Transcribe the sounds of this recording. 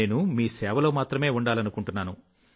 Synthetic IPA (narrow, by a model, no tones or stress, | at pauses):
eːnumiːsɛːʋɐlo̞ːmaːt̪ɾɐme̞ːuɳɖaːlɐnukuɳʈunːaːnu